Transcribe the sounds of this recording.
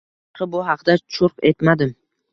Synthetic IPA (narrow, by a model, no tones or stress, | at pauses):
qʰɨbʊɦɑqd̪at͡ʃʰʊɾqe̞t̪mad̪ɪm